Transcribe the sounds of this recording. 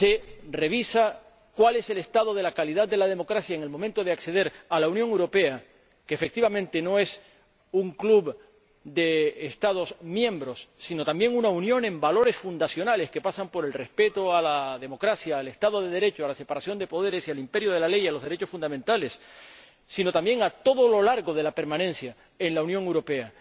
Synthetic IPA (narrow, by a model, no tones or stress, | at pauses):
se̞re̞β̞isa | kwale̞se̞le̞st̪að̞o̞ð̞e̞lakaliðad̪̚d̪e̞lað̞e̞mo̞kɾasjaeŋelmomẽnt̪o̞ð̞e̞akse̞ð̞e̞ɾalaunjoŋewɾo̞pe̞a | keːfek̚t̪iβamẽ̞nt̪e̞no̞e̞s | uŋklub | d̪e̞ːst̪að̞o̞smjẽ̞mbɾo̞sːino̞t̪ambje̞ŋunaunjo̞nẽ̞mbalo̞ɾe̞sfund̪asjo̞nale̞ske̞pasampo̞ɾelre̞spe̞t̪oalaðe̞mo̞kɾasjaːle̞st̪að̞o̞ðe̞ðe̞ɾe̞t͡ʃoalase̞paɾasjo̞nd̪e̞po̞ð̞e̞ɾe̞sialimpe̞ɾjo̞ð̞e̞lale̞jaloðe̞ɾe̞t͡ʃo̞sfund̪ament̪ale̞sː | ino̞t̪ambje̞ŋat̪o̞ðo̞lo̞laɾɣo̞ð̞e̞lape̞ɾmãnẽ̞nsja | e̞nlaunjoŋewɾo̞pe̞a